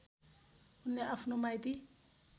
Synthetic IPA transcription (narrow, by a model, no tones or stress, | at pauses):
unːɛafnɔmajti